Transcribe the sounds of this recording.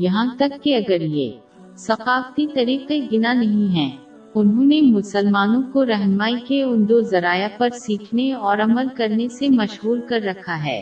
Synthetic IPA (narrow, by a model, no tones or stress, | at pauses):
jɐɦãt̪ɐkːeɐɡəɾjḛː | sɐqaːft̪it̪ɐɾiːqeɡɪnanɐɦĩɦɛ̃ː | ʊnɦõnemʊsəlmaːnõkoɾɛɦnmaːikeʊnd̪ozɐɾaːjapɐɾsiːkʰneɔːɾɐməlkɐɾnesemɐʃɦuːɾkɐɾːɐkʰaɦɛ̰ː